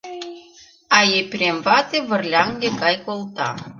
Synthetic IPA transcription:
ɑjepʲrʲemvɑt̪eβə̆rlʲɑŋɡekɑjkolt̪ɑ̰

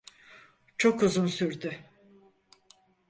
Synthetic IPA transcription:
t͡ʃʰo̞kuzunsyɾd̪ʏ

